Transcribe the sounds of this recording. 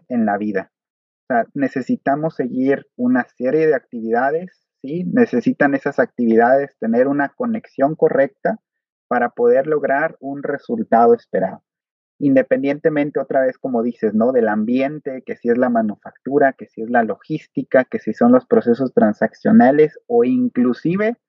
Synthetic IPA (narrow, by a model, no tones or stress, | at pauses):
e̞nlaβiða | oseane̞se̞sit̪amo̞se̞ɣiɾunase̞ɾje̞ð̞e̞ak̚t̪iβiðaðe̞sːine̞se̞sit̪ane̞sasak̚t̪iβ̞iðaðe̞st̪e̞ne̞ɾunako̞ne̞ksjo̞ŋko̞re̞k̚t̪a | paɾapo̞ð̞e̞ɾlo̞ɣɾaɾunre̞sult̪aðo̞e̞spe̞ɾa̰ðo | ind̪e̞pe̞nd̪je̞nt̪e̞mẽnt̪e̞o̞t̪ɾaβe̞sko̞mo̞ðise̞zno̞ðe̞lambje̞nt̪e̞ke̞sie̞zlamanufakt̪uɾake̞sie̞zlalo̞xist̪ikakesiso̞nlo̞spɾo̞se̞so̞st̪ɾansaksjo̞nale̞so̞iŋklusiβ̞e̞